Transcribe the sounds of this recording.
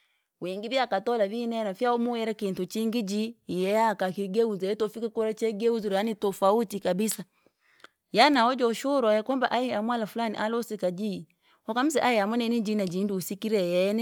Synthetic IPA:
wiːŋɡiβjakatɔlaβinɛnafjaɔmuwɛɾakintut͡ʃiŋɡid͡ʒijɛakakiɡɛuzɛɛtɔfikakɔɾat͡ʃɛɡɛuzuɾanitɔfautikabisa | janaɔd͡ʒɔʃuɾɔjɛkɔmbaʔajiamwalafulanḭʔalɔsikad͡ʒi | hɔkam̩sɛ̰ʔajɛamwɔnɛnid͡ʒinad͡ʒinduːsikiɾɛjɛni

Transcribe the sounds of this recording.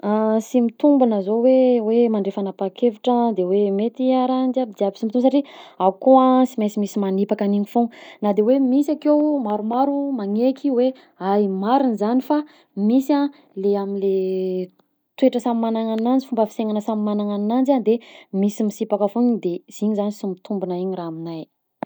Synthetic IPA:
asimit̪umbanəzowewemaɳɖ͡ʐefanapakevuʈ͡ʂəd̪ewemet̪iaɾand͡ʒabid̪iabi̥simbit̪umsaʈ͡ʂiaukoasimesimisimanipakaniɲifuŋnad̪ewemisakewmaɾumaɾumaŋekʰiwe | ajmaɾinzanifa | misa | leaminle | t̪weʈ͡ʂəsamimanaŋanand͡zi̥fumbəfi̥seŋanəsamimanaŋannand͡ʒand̪emisimisipakəfuɲid̪ez̥iɲizanisimit̪ʰumbunaiɲiraːminaj

